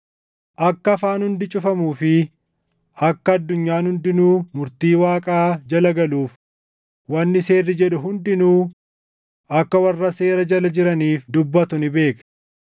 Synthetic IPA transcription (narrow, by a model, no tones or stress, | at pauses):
ʔɐkːɐɐfaːnhʊnd̪ɪt͡ʃʼʊfɐmuːfɪ | ɐkːɐɐd̪ːʊɲːaːnhʊnd̪ɪnuːmʊɾt̪iːwaːkʼaːd͡ʒɐlɐɡɐluːf | wɐnːɪse̞ːrːɪd͡ʒɛᶑʊɦʊnd̪ɪnuː | ʔɐkːɐwɐrːɐse̞ːɾɐd͡ʒɐlɐd͡ʒɪɾɐniːfd̪ʊbːɐt̪ʊnɪbe̞ːkn